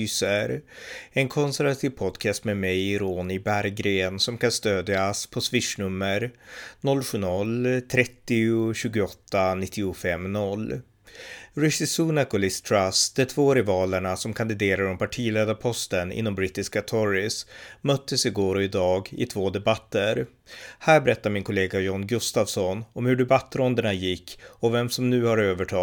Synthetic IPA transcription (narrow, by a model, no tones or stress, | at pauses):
yːsəɾɛnkʰɔnsæɾvat̪ʰiːvpʰɔd̪kʰɛst̪mɛmɛjɾoːnɪbæɾɡɾeːnsɔmkʰanst̪øːd̪jaspʰɔsvɪʂɳɵmːəɾnɔlːɧʉ̟ːnɔlt̪ʰɾɛt̪ːɪʊɕʉ̟ːɡʊɔt̪ːanɪt̪ʰːɪʊfɛmːnɔlː | ɾɛsɪsunakʊlɪst̪ʰɾasd̪̥ɛt̪ʰvoːɾɪvɑːləɳasɔmkʰand̪ɪd̪eːɾaɾɔmpʰaʈʰiːleːd̪aɾpʰɔst̪ənɪ̰nːɔmbɾɪt̪ːɪskat̪ʰɔɾɪsmœt̪ːəsɪɡoːɾɔɪd̪ɑːɡɪ̰t̪ʰvoːd̪ɛbat̪ːəɾ | hæːɾbɛɾɛt̪ːaɾmɪnkʰɔleːɡajɔnɡɵst̪avsɔnɔmhɵɖɛbat̪ːɾɔnd̪əɳajɪkːɔvɛmsɔmnʉ̟ːhaɾøːvəʈʰɑː